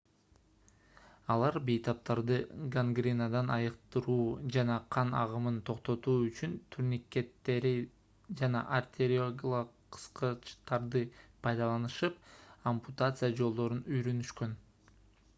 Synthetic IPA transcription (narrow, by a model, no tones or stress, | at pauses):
ɑlˠɑɾbejt̪ɑp̚t̪ɑɾd̪ɯɡaŋɡɾʲinad̪ɑnɑjɯqt̪ɯɾuːd͡ʒɑnɑqʰɑnɑ̰ʁɯmɯnt̪ʰo̞qt̪o̞t̪uːyt͡ʃynt̪ʰyɾnʲikːe̞t̪ːe̞ɾi | d͡ʒɑnɑ̰ʔart̪ʲʰeɾʲioɡʲɪlˠə | ɯ̥sqɯt͡ʃt̪ɑɾd̪ɯpʰɑjd̪ɑlˠɑnɯʃɯp̚omput̪at̪sɨjad͡ʒo̞lˠd̪o̞ɾunyjɾønyʃkø̞n